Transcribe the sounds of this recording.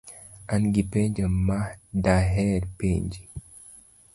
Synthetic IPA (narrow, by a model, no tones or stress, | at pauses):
ʔanɡipeɲd͡ʒəmmːadaɦɛɾpeɲd͡ʒi